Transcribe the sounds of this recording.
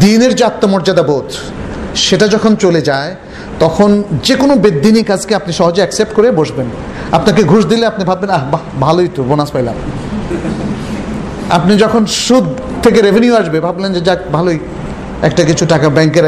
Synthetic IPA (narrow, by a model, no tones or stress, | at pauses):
d̪ineɾd͡ʑat̪ːomɔɾd͡ʑad̪abot̪ | ʃeʈad͡ʑɔkʰont͡ɕoled͡ʑae | t̪ɔkʰond͡ʑekonobed̪ːinikad͡ʑkeapniʃɔɦod͡ʑeɛksep̚ʈkoɾeboʃben | a̰pnaɾkeɡʱoʃd̪ileapnibʱabːenaɦbabʱaloit̪obonaspajla̰m | a̰pnid͡ʑɔkʰonʃud̪ʱ | t̪ʰːek̬eɾebʱenjuaʃbebʱablend͡ʑed͡ʑakbʱaloj | ɛk̚ʈakit͡ɕʰuʈakabɛŋkeɾ